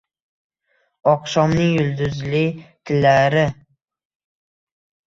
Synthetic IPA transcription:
ɒqʃɒmnɪŋjʊld̪ʊzlɪt̪ʰɪlːaɾɪ

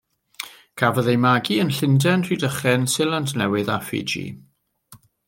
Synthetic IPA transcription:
kʰavəðejmaɡiənɬɪndɛnʰr̥idəχɛnsɪlˠandnɛwɪðafɪ̰d͡ʒḭ

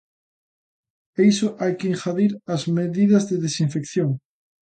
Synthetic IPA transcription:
ejsoʔajkeiŋxaðiɾazmeðiðɐzðeðesiɱfekθjoŋ

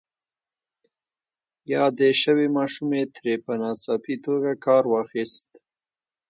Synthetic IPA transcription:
jɑd̪əʃəwemɑʃumet̪ɾepənɑt͡sɑpit̪oɡakɑɾwɑxist̪

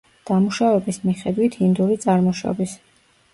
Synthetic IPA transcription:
d̪̥amuʃavɛbismiχɛd̪wit̪ʰhind̪uɾit̪sʼaɾmɔʃɔ̰bis

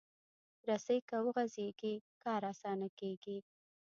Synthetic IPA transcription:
ɾasəjkawəɣazeɡikɑɾɑsɑnakeɡi

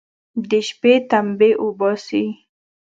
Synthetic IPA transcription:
d̪eʃpet̪ambeʔʊbɔsi

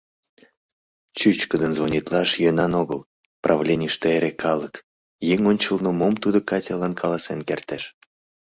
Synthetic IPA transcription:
t͡ɕyt͡ɕkəd̪ənzvonʲit̪lɑʃjønɑnoɣəl | prʔɑvlʲenʲiʃt̪eeɾekʰɑlək | jeŋʲonʲt͡ɕəlnəmomt̪ud̪okɑtʲɑlɑnkʰɑlɑsenkert̪eʃ

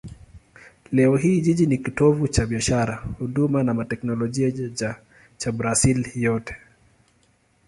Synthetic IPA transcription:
lɛɔɦiːʄiʄinikitɔvut͡ʃaɓiaʃaɾahuɗumanamatɛknɔlɔʄiaa | t͡ʃabɾasiljɔtɛ̥

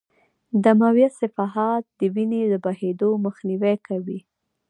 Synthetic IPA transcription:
d̪amawjasɪfɑɦɑt̪̚d̪əwineləbahed̪oməxniwɛkawi

